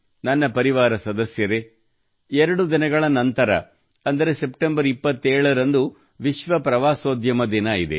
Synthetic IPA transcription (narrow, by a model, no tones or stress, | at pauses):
nɐnːɐpɐɾiʋaːɾɐsɐd̪ɐsjɐɾe | ɛɾɐɽud̪inɐɡɐɭɐnɐnt̪ɐɾɐ̰ | ɐnd̪ɐɾe̞se̞pʈembɐɾipːɐt̪ːeːɭɐɾɐnd̪u | ʋiʃʋɐpɾɐʋaːsoːd̪ʱjɐmɐd̪inɐid̪e̞̰